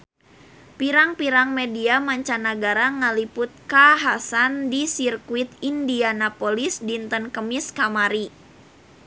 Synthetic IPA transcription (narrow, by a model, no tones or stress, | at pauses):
piɾaŋpiɾaŋmediamaɲt͡ʃanaɡaɾaŋəlipʊt̪̚kaɦasandisirkuit̪̚indianapolisdint̪ənkəmiskamaɾi